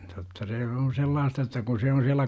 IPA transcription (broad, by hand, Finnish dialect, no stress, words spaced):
totːɑ se on̞ selːɑːstɑ etːæ kun se on siælːæ